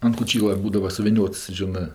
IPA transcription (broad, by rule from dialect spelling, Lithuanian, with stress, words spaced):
ɐn koːˈt͡ʃʲiːlˠɐ ˈbuːdɐʋɐ sʊʋʲɪˈnʲoːts ˈʒʲɪnɜ